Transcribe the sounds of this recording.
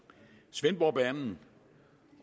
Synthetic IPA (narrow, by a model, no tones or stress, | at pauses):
sʋenb̥ɒb̥æɐnn̩